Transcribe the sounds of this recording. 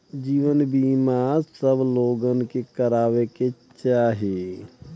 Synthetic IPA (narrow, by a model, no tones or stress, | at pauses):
d͡ʒiːʋənbiːmaɾsəbloːɡənkekəɾaːweke | t͡ʃaːɦie